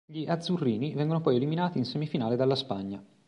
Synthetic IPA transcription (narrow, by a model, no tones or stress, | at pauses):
ʎiʔad̪zurːiːnivɛŋɡonopɔjeliminaːt̪iːnsemifinaːled̪alːaspaɲːa